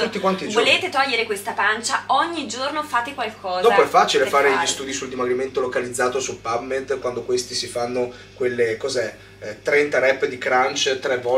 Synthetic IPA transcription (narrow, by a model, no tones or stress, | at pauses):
t̪ut̪ːikwant̪ivoleːt̪et̪ɔʎːeɾekwest̪apant͡ʃaɔɲːid͡ʒornofaːt̪ekwalkʰɔːzd̪ɔpoɛfːaːt͡ʃilefaːɾeʎist̪uːd̪isuld̪imaɡɾiment̪olokalid̪zːaːt̪osulpabmːed̪kwand̪okwest̪isifanːo | kwelːekɔzɛ | t̪ːɾɛnt̪aɾɛpːd̪ikɾant͡ʃt̪ɾɛvːɔ